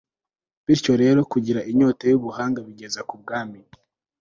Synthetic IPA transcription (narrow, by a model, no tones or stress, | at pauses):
βiɾco̞ɾe̞ːɾo̞kuɟiɾaʔiɲoːtajuβuhaːŋɡaβiɟe̞zakub̚ɡaːmi